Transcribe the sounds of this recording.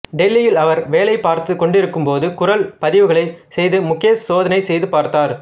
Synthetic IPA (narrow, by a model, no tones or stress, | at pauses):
ɖɛlːɪjɪlɐʋɐɾʋeːlɐɪpaːɾt̪ɯkːɔɳɖɪɾɯkːɯmpoːðɯkʊɾɐlpɐðɪʋɯɣɐɭɐɪsɛjðɯmʊkːɪjɐsoːðɐnɐɪsɛjðɯpaːɾt̪aːɾ